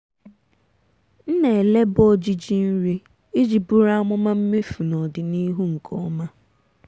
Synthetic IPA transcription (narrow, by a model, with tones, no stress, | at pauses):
n̩˦ne˨le˦bɔ˦d͡ʒi˦d͡ʒi˦n̩˦ɾi˦ | i˦d͡ʒi˨bu˦ɾa˦ŋʷʊ˦ma˦m̩˦me˦fu˨nɔ˨dɪ˨ni˦ɦu˦ŋ̩˨kʰɔ˦ma˦